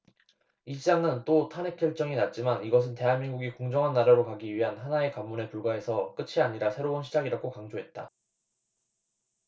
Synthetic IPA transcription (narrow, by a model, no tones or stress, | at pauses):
iɕʰid͡ʑaŋɯnt͈otʰane̞k͈jʌɭt͡ɕ͈ʌŋinat̚t͡ɕ͈imaniɡʌs̬ʰɯnte̞ɦanmiŋɡuɡikoŋd͡ʑʌŋɦanːaɾaɾokaɡiɥiɦanɦanae̞kamːune̞puɭɡwae̞sʰʌk͈ɯt͡ɕʰiaɲiɾasʰe̞ɾounɕʰid͡ʑaɡiɾakʰokaŋd͡ʑoɦe̞t̚t͈a̰